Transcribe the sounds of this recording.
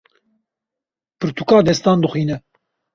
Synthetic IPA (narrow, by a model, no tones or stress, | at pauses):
pɨɾt̪ukɑːd̪ɛst̪ɑːnd̪ɨxʷiːnɛ